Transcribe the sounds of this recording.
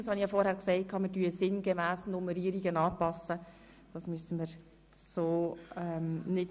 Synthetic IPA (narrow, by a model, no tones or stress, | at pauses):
ɑshɑniχjɑfɔɾhæːɾksɛɪt̚kʰɑːməɾdyəsɪnɡemæːsnʊmɛɾiːəɾiɡənɑːpɑsə | d̥ɑsmyəsəməɾ | soːɛmnɪt